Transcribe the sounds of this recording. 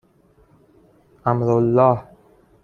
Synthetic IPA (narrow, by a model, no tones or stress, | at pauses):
ʔamɾolːɑːh